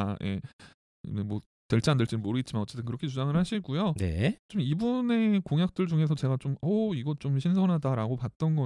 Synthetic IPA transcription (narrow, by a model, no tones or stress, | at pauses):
jʔe̞̰ | memwʌ | teɭt͡ɕ͈ʰiandɯɭt͡ɕ͈inɯnmoɾɯɡet̚t͡ɕimanʌt͡ɕ͈etʰɯnkɯɾʌkʰet͡ɕud͡ʑaŋɯɭhaɕʰiɡujonḛt͡ɕomibune̞koŋjak̚t͈ɯɭd͡ʑuŋe̞s̬ʰʌt͡ɕe̞ɡat͡ɕomʌiɡʌt͡ɕ͈omɕʰinsʰʌnɦadaɾaɡopat̚t͈ʌnɡʌ